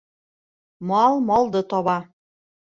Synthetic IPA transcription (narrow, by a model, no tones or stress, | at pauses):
mɑlˠmɒlˠd̪ɤt̪ɒβɑ